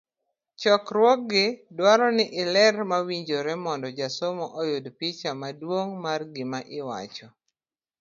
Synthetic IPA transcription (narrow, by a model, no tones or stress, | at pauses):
t͡ʃɔkɾwɔk̚ɡɪdwaɾɔnɪʔɪlɛrmawiɲd͡ʒoɾɛmɔndɔd͡ʒasomɔʔɔjodpit͡ʃamadwoŋmarɡɪmaʔɪwa̰t͡ʃɔ